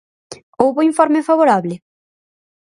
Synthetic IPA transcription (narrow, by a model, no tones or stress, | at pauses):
owβʊiɱfɔɾmefaβoɾaβlɪ